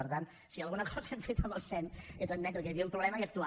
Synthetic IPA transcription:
əɾt̪ant̪ | siəlɣunəkʰɔzəɛɱfet̪ələsɛnet̪ənmɛt̪ɾəkɛβiumpɾuβlɛməiək̚t̪ua

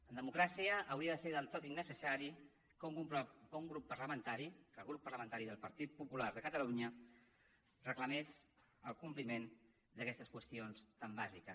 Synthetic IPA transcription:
ənd̪əmukɾasiəʔːwɾiəðəseɾðəlˠt̪ot̪inːəsəsaɾi | kuŋkumpkəuŋɡɾupːəɾləmənt̪aɾikəlˠɣ̞ɾupːəɾləmənt̪aɾiðəlˠpəɾt̪it̪̚pupulaɾðəkət̪əluɲə | rəkləmɛz | əlˠkumplimen | d̪əkɛst̪əskwəst̪ionst̪ambazikəs

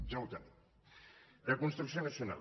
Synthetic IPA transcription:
d͡ʒawt̪a | dekunst̪ɾuks̬ionəsjuna̰l

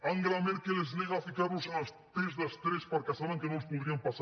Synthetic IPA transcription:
aŋɡɾameɾkelezneɣafikaɾnʊsanast̪ɾezðast̪ɾespaɾkasaβaŋkenõŋspoðɾiampasa

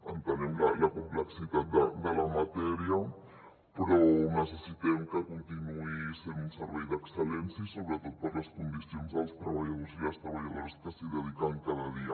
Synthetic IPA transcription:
ã̰nt̪aɾemlalakõmpleksiðat̪̚d̪ad̪alamat̪eɾja | pɾonesesit̪emkakõnt̪inuisẽɾũnseɾβejðekselẽnsaisoβɾet̪oðopaɾlaskõnd̪isjonsalst̪ɾaβaʝaðoɾesdiast̪ɾaβaʝaðoɾest̪aseðeðikankaðaðia

